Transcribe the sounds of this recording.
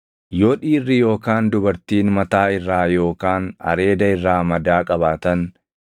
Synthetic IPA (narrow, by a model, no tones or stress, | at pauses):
joᶑiːrːɪjo̞ːkaːnd̪ʊbɐɾt̪iːnmɐt̪aːɪrːaːjo̞ːkaːnɐ̰ɾe̞ːd̪ɐɪrːaːmɐd̪aːkʼɐβaːt̪ɐn